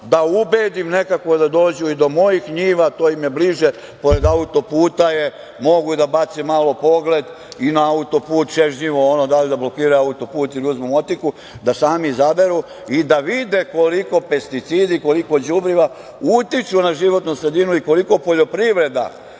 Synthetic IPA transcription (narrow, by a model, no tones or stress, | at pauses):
d̪aubeːd̪imne̞kakʋo̞d̪ad̪o̞ːd͡ʑuid̪o̞mo̞jixɲiːʋat̪oːjimje̞bliʒe | po̞ɾe̞d̪aut̪o̞puːt̪aje̞ | mo̞ɡuid̪abat̪semaːlo̞po̞ɡle̞d̪ | inaaut̪o̞puːt̪t͡ʃeʒɲiʋoonod̪aʎid̪ablo̞kiːɾaaut̪o̞puːt̪ilʲiuzmumo̞t̪iku | d̪asaːmizabe̞ɾu | id̪aʋid̪e̞ko̞liko̞pe̞st̪it̪siːd̪iko̞liko̞d͡ʑubɾiʋa | ut̪it͡ʃunaʒiʋo̞t̪nusɾe̞d̪inuiko̞liko̞po̞ʎo̞pɾiʋɾe̞d̪a̰